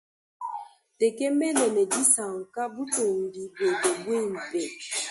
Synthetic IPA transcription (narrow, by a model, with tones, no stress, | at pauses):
te˨ke˦mɛ˦nɛ˨nɛ˨di˦sa˨ŋ̩˨ka˦bu˦to˨m̩˨di˦be˨de˨bwe˦˨m̩˨pe˨